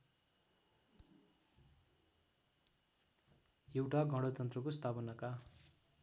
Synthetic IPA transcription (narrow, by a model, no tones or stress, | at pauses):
jewʈaɡʌɽʌt̪ʌnt̪rʌkost̪ʰapʌnʌka